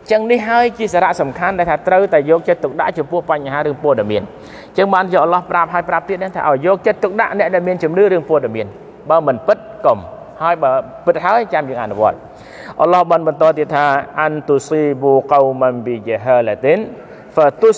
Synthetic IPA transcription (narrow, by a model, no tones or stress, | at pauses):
t͡ɕəŋnihɦaəjt͡ɕiəsaːɾaʔsɑmkʰanɗaɛlt̪ʰaːt̪rəwt̪aɛjɔːk̚t͡ɕət̪ːuk̚ɗa̰ʔt͡ɕɑmpʊ̆əhpaɲɦaːɾɨəŋpɔəɗamiən | t͡ɕəŋɓaːnjiːʔalɑhprap̚ɦaəjprap̚t̪iət̪̚naːt̪ʰa̰ːʔaɔjːɔːk̚t͡ɕət̪ːuk̚ɗa̰ʔnɛ̆əʔɗaɛlmiənt͡ɕumnɨːɾɨəŋpɔəɗamiən | ɓaːmɨnpɨt̪̚kom | haəjɓaːpɨt̪̚ɦaəjt͡ɕamjəːŋʔa̰ʔnuʋŏət̪̚ | ʔɑlɑhɓənɓɑnt̪ɔːt̪iət̪t̪ʰaːʔant̪usiːʋoːkowmənʋijiɦəlat̪in | fət̪us